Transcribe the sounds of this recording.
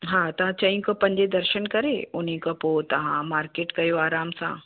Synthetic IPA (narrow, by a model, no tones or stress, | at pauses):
ɦãːt̪ɐʋ̤ãt͡ɕɐ̃ĩkɐpɐ̃ɲd͡ʑed̪ɐɾʃənkɐɾeʊnĩkɐpot̪ɐʋ̤ãmaːɾkeːʈkɐjoaːɾaːmsã̰